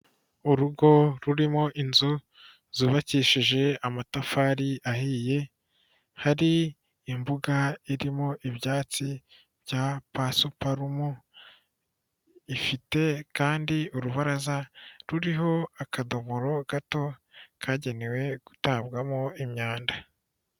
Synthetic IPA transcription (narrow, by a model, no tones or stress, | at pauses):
uɾuɡo̞ɾuɾimo̞ʔinzu | zuβaciʃiʒe̞amatafaːɾiahiːje̞ | haɾiː | mbuɡaiɾimo̞ʔiβjaːt͡si | bjapasupaɾumo | ifite̞kaːndiuɾuβaɾazaɾuɾiɦo̞akadomuɾo̞ɡ̥ato̞kʰaːɟe̞newe̞ɡ̥utaːβɡamoimɲaːnda